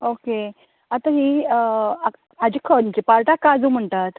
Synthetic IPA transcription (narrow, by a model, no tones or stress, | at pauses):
oke | at̪aɦiː | ad͡ʑikʰənt͡ɕipaɾʈakːad͡zũːm̤əɳt̪at̪